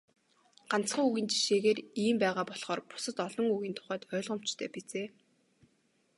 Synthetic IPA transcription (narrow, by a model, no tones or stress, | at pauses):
ɢ̥an̥t͡sχəːŋuɣiːnt͡ɕi̥ʃeːɣeːriːmpæːʁaːpɔɮχɔːrpʊ̥sə̆t̪ɔɮɞ̆ŋuɣiːnt̪ʰʊ̥χæːt̪œːɮʁə̆m̥t͡ɕt̪ʰœːpet͡seː